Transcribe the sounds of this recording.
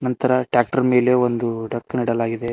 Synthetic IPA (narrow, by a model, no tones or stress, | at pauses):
nɐnt̪ɐɾɐʈjaːk̚ʈɐɾmeːle̞ʋond̪uʈɐkːniɽɐlaːɡid̪e̞